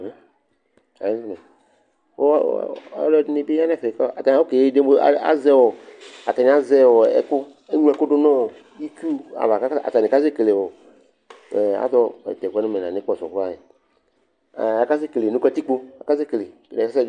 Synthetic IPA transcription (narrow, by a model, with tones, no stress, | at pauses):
a̰˨je˦fnɔ̃˨ | wo̰˦a˦lɔ˦nĩ˨be˦a˦nɛ̃˦fka˦˨a˨t̪a˨ã˨˦wo˦ke˨˦de˦m˦o˦a̰˦a̰˦zɛ˦wo˨a˨t̪a˨ɲĩ˨˦a˦zɛ˦wo˨ɛ̰˨kʊ˦ | e˦ŋũ˦ɛ˨kʊ˦ɖʊ˦nɔ̃˦˨ | ji˦ku˦a̰˨va˨ka˦a̰˨t̪a˨nẽ˨ka˦ze˦˨ke˨le˨wo˨ | ɛ˨a̰˨˦d̪ɔ̰˦˨t̪ɛ˨kɛ˦nẽ˦mẽ˨nã˨nɪ̃˨˦k͡pɔ˦˨sɔ̰˨ka˦˨je˨ | a˨ka˦se˦kle˨nu˦kɛ˦t̪i˦k͡po˦a̰˨ka˦ze˦kle˨nã˨ka˦sɛ˦